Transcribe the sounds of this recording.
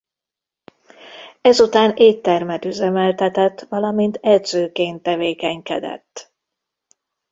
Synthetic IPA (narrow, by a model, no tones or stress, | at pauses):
ɛzut̪aːneːtt̪ːɛrmɛt̪yzɛmɛlt̪ɛt̪ɛt̪ːʋɒlɒmint̪ɛd̪z̥øːkeːnt̪ːɛveːkɛɲkɛ̰d̪ɛ̰t̪ː